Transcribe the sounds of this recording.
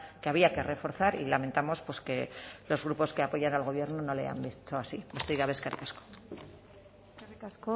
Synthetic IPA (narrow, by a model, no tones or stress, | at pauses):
keaβ̞iake̞re̞fo̞ɾθaɾilame̞nt̪amo̞spwe̞ske̞lo̞zɣɾupo̞ske̞apo̞ʝanalɣo̞β̞je̞ɾnono̞le̞̰a̰mbist̪oasibost̪iɣaβeskaɾkasko̥ | kasko